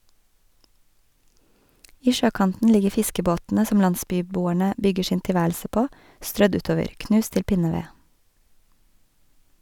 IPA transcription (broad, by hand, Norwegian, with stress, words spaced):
ˈiː ˈʃøːˌkɑntn̩ ˈlɪɡə ˈfɪskəˌboːtn̩ə ˈsɔm ˈlɑnˌsbyːˌbuːæɳə ˈbʏɡə ˈʃiːn tɪˈʋæːlsə ˈpoː ˈstɾœd ˈʉːˌtoːʋəɾ ˈknʉːs ˈtɪl ˈpɪnəˌʋeː